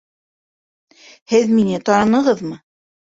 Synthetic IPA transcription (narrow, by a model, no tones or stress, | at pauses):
hɘðminɘt̪ɑɾɑnɤ̆ʁɤðmɤ